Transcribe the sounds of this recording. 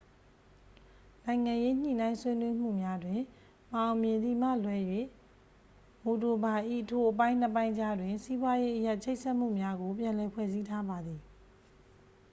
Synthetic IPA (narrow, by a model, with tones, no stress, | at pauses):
nã˨ɪ̃ŋã˨je˦ɲ̥ḭ˦˨nã˦ɪ̃swe˦nwe˦m̥ṵ˦˨mja˦dwɪ̃˨ | mã˨ʊ̃mjɪ̃˨nd̪i˨m̥a̰˦˨lwɛ˦jwḛ˦˨ | mo˨to˨ba˨ʔḭ˦˨ʔtʰo˨ʔəpã˦ɪ̃n̥ə˦pã˦ɪ̃d͡ʑa˦dwɪ̃˨nsi˦bwa˦je˦ʔəja˦ʔt͡ɕʰe˦ɪʔsʰɛ˦ʔm̥ṵ˦˨mja˦ɡo˨p̬jã˨lɛ˨pʰwɛ̰˦˨zi˦tʰa˦ba˨d̪ði˨